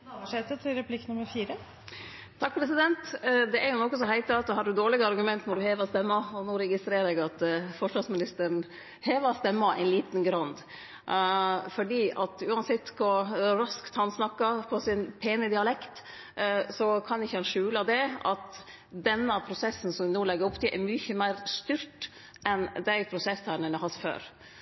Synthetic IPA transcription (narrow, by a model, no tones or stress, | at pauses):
ʋəʂeːt̪ət̪ʰɪlɾɛpʰlɪknʊməɾfiːɾə | t̪ʰɑk̚ːpʰɾɛsɪd̪ɛnt̪d̪ɛʔæɾjʊnɔkːəs̬ɔhæɪt̪əɑt̪ːɔɦɑɖʉd̪oːɭɪɡɑɑɾɡʉmɛnt̪nɔd̪ʉheːʋɑst̪ɛmːɑɔnoːɾɛɡɪst̪ɾeːɾɛɡɑt̪fɔʂʋɑsmɪnɪst̪əɳ | heːʋɑst̪ɛmːɑæ̰ɪnliːt̪nɡɾɑnd̪ | fɔɖiːɑt̪ʉːɑnsɛt̪ːkʰɔɾɑskt̪hɑnsnɑkːɑpʰɔsɪnpʰeːnəd̪ɪɑlɛkt̪ | sɔkʰɑnɪçːəhɑnʂʉːlɑd̪ɛɑt̪ | d̪ɛnːəpʰɾʊsɛsːn̩sɔmɛnoːlɛɡːəɾɔpːt̪ʰɪʔɛɾmyçəmæɪɾst̪yɾʈ | ʔɛnd̪æɪpʰɾʊsɛsɑɳnənɛhɑsfø̰ːɾ